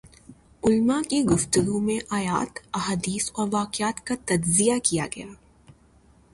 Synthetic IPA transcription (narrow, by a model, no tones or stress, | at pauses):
ʊlmakiɡʊft̪əɡumẽʔaːja̰ːt̪ɐɦaːd̪iːsɔːɾʋaːqɪaːt̪kat̪ɐd͡ʒzijakija̰ɡɐjaː